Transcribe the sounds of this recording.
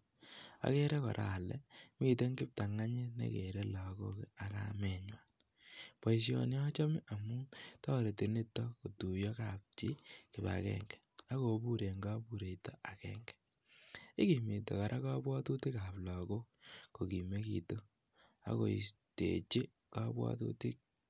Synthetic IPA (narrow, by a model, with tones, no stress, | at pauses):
a̰˨˦ke˦ɾɛ˦kɔ̰˨ɾʔa̰˨lɛ̰˦mi˦te˦ŋɡɪ˦p̚ta˨ŋa˦ɲe˦nḛ˦ke˨ɾe˦lɔ˨ko˦ke˦a˨ka̰˦mɛ˨ɲwa˨ | pɔ˨is̬jɔ̰n˦ɔ˦t͡ʃɔ˦mi˦ʔa˨mu˦tɔː˦ɾe˨te˨ni˦tɔ˦ko˨tu˨jɔ˦ka˨p̚t͡ʃi˦kɪ˨ba̰kɛ̰˦ŋɡɛ̥˨a˦ko˨bu˦ɾe˨ŋɡa˦bu˦ɾe˨tɔ˦ʔa˨kɛ̰˦ŋɡɛ̥ | ɪ˦ki˨mi˨to˨ka˨ɾa˦ka˦bwɔ˦tu˦tɪ˦ka˨plɔ˨ko˦ | ko˨ki˨me˦kḭ˨to˦ | a̰˦ko̰˨ḭ˨stḛ˨t͡ʃe˦ | ka˦bwɔ̰˦tṵ˦ti˦k̚